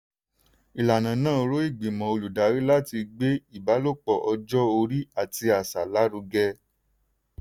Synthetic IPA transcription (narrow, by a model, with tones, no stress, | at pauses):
i˨la˨nã˨˦nãː˦˨˧ɾo˨˦i˦˨ɡ͡bi˨mɔ̃˨o˧lu˨da˨˦ɾi˦la˦ti˧ɡ͡be˦i˦˨ba˨˦lo˦˨k͡pɔ˨ʔɔ˧d͡ʒɔ˦o˧ɾi˦a˦˨ti˧a˨sa˨la˨˦ɾu˧ɡɛ˧